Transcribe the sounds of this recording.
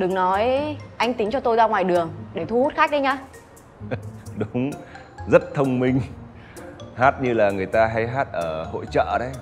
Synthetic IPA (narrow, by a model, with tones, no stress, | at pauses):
ɗɨ˨˩ŋnɔ˨˦jʔa˧jŋ̟t̪ï˨˦ŋt͡ɕɔ˧t̪o˧jzaː˧ŋwaː˨˩jɗɨ˨˩əŋɗe˧˩t̪ʰu˧hu˦˥t̚xaː˦˥k̚ɗə˧ɲaː˧ | ɗʊ˨˦ŋ͡m | zə˦˥t̚t̪ʰə˧wŋ͡mmï˧ŋ̟ | haː˦˥t̚ɲɨ˧laː˨˩ŋɨ˨˩əjt̪aː˧ɦa˧jɦaː˦˥t̚ʔəː˧˩ho̰˧˨jt͡ɕə̰ː˧˨ɗə˨˦j